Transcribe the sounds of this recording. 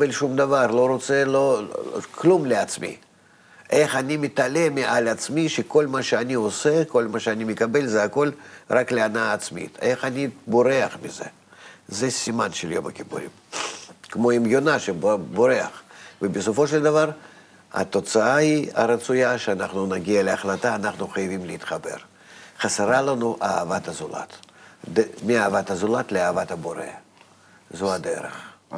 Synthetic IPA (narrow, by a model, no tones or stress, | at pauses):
elʃumd̪avarlˠo̞ɾot̪selo̞klumlʲɪat̪smʲḭ | eχanʲimʲɪt̪alʲe̞mʲɪʔalʲat̪smʲiʃeko̞lʲmaʃeanʲioseko̞lʲmaʃeanʲimʲɪkabelʲzɛako̞lraklʲɪanaːt̪smʲḭt̪eχanʲiboɾe̞ɐχmʲɪ̰zḛ | zɛsʲimanʃeljo̰mɐ̰kʲipṵɾʲḭm | kmo̞imjonaʃeboɾeɐ̰χvəbɪsofo̞ʃelʲd̪avaɾ | a̰t̪o̞t̪saaia̰ɾət̪sʊjaʃeanaχnunaɡʲiɐleaχlat̪aːnaχnuχajɪvʲimlɪiːt̪χabe̞̰r | χaseɾalanuʔaːvat̪ɐzʊla̰t̪d̪mʲɪaːvat̪ɐzʊlat̪lɪaːvat̪ɐboɾḛ | zoad̪ḛɾḛχ